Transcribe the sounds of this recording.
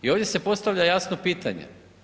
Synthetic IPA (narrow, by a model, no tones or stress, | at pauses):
io̞ːvdʲje̞se̞po̞st̪aʋlʎajasno̞piːt̪aɲḛ